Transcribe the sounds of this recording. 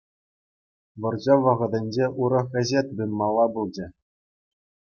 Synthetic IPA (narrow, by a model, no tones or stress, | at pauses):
ʋɤ̆rd͡ʑɑʋɤ̆ʁɤ̆d̪ʲɘ̆nʲd͡ʑeuɾɤ̆χʲɘ̆zʲet̪bɯnmɑlˠːɑbɯlˠd͡ʑɘ̆